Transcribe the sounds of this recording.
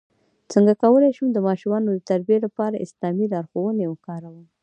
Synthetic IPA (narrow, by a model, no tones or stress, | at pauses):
t͡səŋɡakawəlajʃumd̪əmɑʃumɑnod̪ət̪aɾbielapɑɾaʔɪslɑmilɑɾxowənewkɑɾawəm